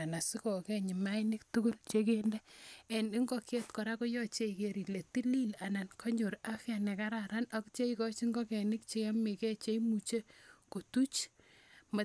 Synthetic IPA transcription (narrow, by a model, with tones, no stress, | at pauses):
a˨na˨si˦kɔ˨kɛ˦ɲi˨ma˦jnɪ˦k̚tu˦ku˦lt͡ʃe˦kendɛ˦ɛ˨ni˦ŋɡɔ˦kʰe˦tkɔ˨ɾa˦ko˦jɔ˦t͡ʃe˦ike˨ɾi˨le˨ti˦li˦la˨na˨nkʰɔ˦ɲo˨ɾa˦fja˨nɛ˨ka˦ɾa˨ɾa˦nɔ˦kt͡ʃe˦ikɔ˦t͡ʃi˦ŋɡɔ˦kɛ˨nɪ˦k̚t͡ʃe˧ja˦me˨kɛ˦t͡ʃe˦imu˨t͡ʃe˦ko˨tu˦t͡ʃ | ma˨